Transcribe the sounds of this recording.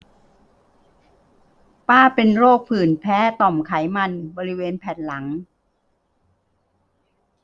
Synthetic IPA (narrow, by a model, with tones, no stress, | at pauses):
paː˥˩pe˧nɾoː˥˩k̚pʰɯː˨˩npʰɛː˦˥t̪ɔ˨˩mkʰa˩˦jma˧nbɔː˧ɾi˦˥weː˧npʰɛː˨˩t̪̚la˩˦ŋ